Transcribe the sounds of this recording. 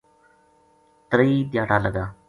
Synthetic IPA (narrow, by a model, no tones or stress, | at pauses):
t̪ɾiːd̪jaːʈaːləɡaː